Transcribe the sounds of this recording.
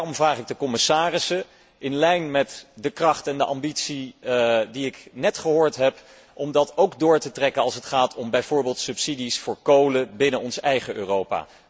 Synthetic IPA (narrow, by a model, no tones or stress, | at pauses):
rɔmvraːχɪɡ̚dəkɔmɪsaːrɪsə | ʔɪnlɛjnmɛtdəkrɑχtɛndəʔɑmbitsi | diɪknɛtχəɦʊːɹtɦɛp | ʔɔmdɑtowkdʊːɹtətrɛkənɑlˠsətχaːtʰɔmbɛjv̥ʊːɹbeːlˠtsɵpsidisfʊːɹkowləbɪnənɔnsɛjχəʔø̰ːrowpa̰ː